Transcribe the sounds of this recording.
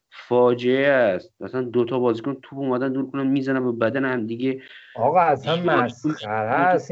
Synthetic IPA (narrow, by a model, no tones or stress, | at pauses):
fɒːd͡ʒeeæst̪æsænd̪ot̪ʰɒbɒːzikont̪ʰuːbuːmæd̪ænd̪uːɾkʰonænmiːzænæmbebæd̪ænehæmd̪iɡeɒɣɒæsænmæsæɾæs